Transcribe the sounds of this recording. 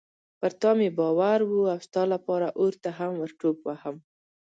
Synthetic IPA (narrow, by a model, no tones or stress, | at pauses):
pəɾt̪ɑmebɑwaɾwuawst̪ɑlapɑɾaʔoɾt̪aɦamwəɾʈopwahəm